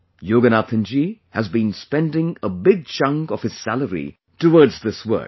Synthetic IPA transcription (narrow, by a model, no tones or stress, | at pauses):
joːɡənat̪ʰɪ̃nd͡ʒihæzbĩnspɛ̃ndɪ̃ŋəbɪɡ̚t͡ʃʌ̃ŋkɔv̥ɨz̥sæləɾḭ | təwɔdzðɪswə̰˞k